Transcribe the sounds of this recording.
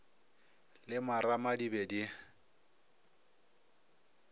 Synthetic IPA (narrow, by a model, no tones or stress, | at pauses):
lɪmaɾamadibedi